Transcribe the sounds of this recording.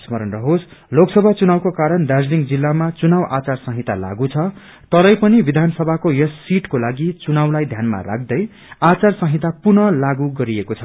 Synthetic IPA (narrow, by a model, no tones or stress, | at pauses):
smʌɾʌnrʌɦosloksʌbʱat͡sunawkokaɾʌnd̪ad͡zliŋd͡zilːamat͡sunawʔat͡sarsʌ̃ɦit̪ala̰ɡut͡sʰʌ | t̪ʌɾʌjpʌnibid̪ʱansʌbʱakojʌsːiʈkolaɡit͡sunawlajd̪ʱjanma̰ra̰k̚ʰd̪ʌj | at͡sarsʌ̃ɦit̪apurnʌlaɡuɡʌɾiekot͡sʰʌ